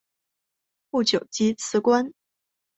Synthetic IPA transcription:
pu˥˩t͡ɕjo˨˩ʊt͡ɕi˥t͡sʰɹ̩˧˥kwa˥n

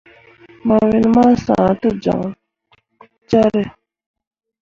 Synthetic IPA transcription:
ma˨wi˨nma˦sã̰ː˨t̪u˦d͡ʒa̰˨ŋ | t͡ʃa˦ɾe˦

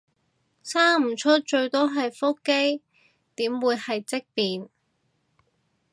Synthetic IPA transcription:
saː˥ŋm̩˨˩t͡ʃʰɵ˥t̚t͡ʃɵ˧ɥt̪ɔː˥ɦɐ˨jfo˥kke˥j | t̪iː˨˥mwuː˨˧jhɐ˨jt͡sɪ˥k̚piː˨n

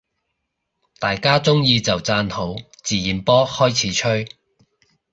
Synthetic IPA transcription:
t̪aː˨jkaː˥t͡sʊ˥ŋjiː˧t͡sɐ˨wt͡saː˧nho˨˥w | t͡siː˨˩jiː˨˩npɔː˥hɔː˥jt͡sʰiː˨˥t͡ʃʰɵ˥ɥ

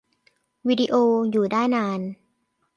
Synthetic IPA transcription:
wiː˧di˧ʔoː˧juː˨˩daː˥˩jnaː˧n

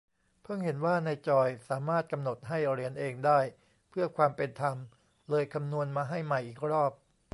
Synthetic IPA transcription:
pʰɯ˥˩ŋhe˩˦nwaː˥˩na˧jt͡ɕɔː˧jsaː˩˦maː˥˩t̪̚ka˧mno˨˩t̪̚ɦa˥˩jɾi˨˦ənʔeː˧ŋdaː˥˩j | pʰɯ˥˩ɐkʰwaː˧mpe˧nt̪ʰa˧m | lɤː˧jkʰa˧mnu˧ənmaː˧ɦa˥˩jma˨˩jʔiː˨˩k̚ɾɔː˥˩p̚

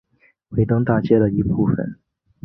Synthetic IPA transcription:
we˧˥ɪt̪ɤ˥ŋt̪a˥˩t͡ɕjɛ˥d̪ə˨i˧˥pʰu˥˩fə̰˨˩n

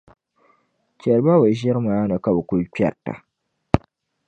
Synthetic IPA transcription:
t͡ʃɛ˨lba˦ba˨ʒɛ˦ɾmaː˦nɨ˨ka˨bɨ˨ku˦lk͡pʲɛ̰˨tːa̰˨

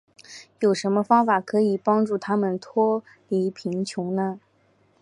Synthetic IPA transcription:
jo˨˩ʊʂə˧˥nmə˧fɑ˥ŋfa˨˩kʰɤ˧˥i˨˩pɑ˥ŋʈ͡ʂu˥˩t̪ʰa˥mə˨nt̪ʰwɔ˥ | li˧˥pʰi˧˥ŋt͡ɕʰjʊ˧˥ŋnə˧

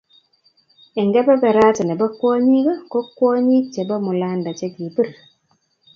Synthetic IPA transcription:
ɪ˨ŋɡɛ˦bɛ˦bɛ˨ɾa˦tɛ˨nɛ˨ba˦kwɔ˦ɲi˦ka˦ko˦kːwɔ˦ɲi˦t͡ʃe˨ba˦mʊ˨la˦nda˨t͡ʃe˦ki˨bɨ˦˨ɾ

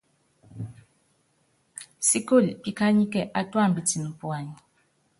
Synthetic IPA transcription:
si˦ko˦˨lpi˦ka˦ɲi˦kɛ˨ʔa˦twa˦˨m˨bi˨ti˨n˨pu˨a˨ɲi˨

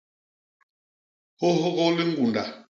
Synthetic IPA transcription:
ho˦ɦo˦ɣɔ˦li˦ŋ̩˦ɡu˨nda˨

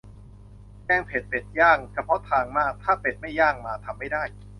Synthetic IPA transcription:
t͡ɕɛː˧˩ŋpʰe˨˩t̪̚pe˨˩t̪̚jaː˥˩ŋt͡ɕʰa˧pʰɔ˦˥t̪ʰaː˧ŋmaː˥˩k̚t̪ʰaː˥˩pe˨˩t̪̚ma˥˩jːaː˥˩ŋmaː˧t̪ʰa˧mːa˥˩jdaː˥˩j

